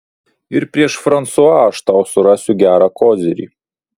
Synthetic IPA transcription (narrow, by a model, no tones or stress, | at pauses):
ɪɾpʲɾʲiɛʃfɾɐnt̪suɑaːʃt̪awsʊɾɑsʲʊɡʲæːɾɑkɔːzʲɪɾʲḭ